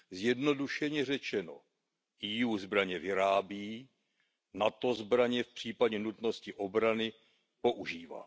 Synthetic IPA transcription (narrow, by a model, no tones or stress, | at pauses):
zjɛdno̞duʃɛɲɛr̝ɛt͡ʃɛno̞̰ | ʔijuːzbɾaɲɛvɪɾaːbiː | nat̪o̞zbɾaɲɛfpr̝̥iːpaɟɛnut̪no̞scɪʔo̞bɾanɪ | po̞ʔuʒiːva̰ː